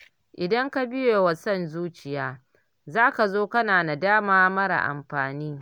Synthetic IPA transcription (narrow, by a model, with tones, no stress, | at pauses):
ʔɪ˨dɐ˦ŋka˦bɪ˦joː˨wa˨sɔ˦˨nzuː˦t͡ʃɪ˨jaː˦ | zaː˦ka˨zoː˦kɐ˦naː˨na˨daː˦maː˦mɐ˦ɾa̰˨ʔa̰˨mɸaː˨niː˦